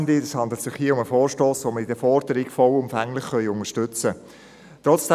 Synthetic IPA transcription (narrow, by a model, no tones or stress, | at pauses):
nd̪iəshɑnd̪lət̪sɪχhiːəʊməfoːɾʃtoːsʋoːməidəfɔɾd̥əɾɪɡfɔwʊmfæŋlɪχχœʏʊnəʃtʏt͡sə | t̪ɾɔt͡sd̥ɛ